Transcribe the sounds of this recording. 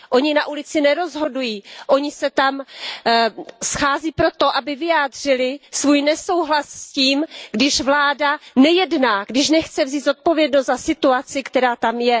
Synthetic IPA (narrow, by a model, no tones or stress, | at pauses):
ʔo̞ɲɪnaʔulɪt͡sɪnɛɾo̞zɦo̞dujiːʔo̞ɲɪsɛt̪am | sxaːziːpɾo̞t̪o̞ʔabɪvɪjaːd̪r̥ɪlɪsvuːjnɛsowɦlassciːmɡdɪʃvlaːdanɛjɛdnaːɡdɪʃnɛxt͡sɛvziːd̪zo̞t̪̚po̞vjɛdnost̪zasɪt̪uat͡sɪkt̪ɛɾaːt̪amjɛ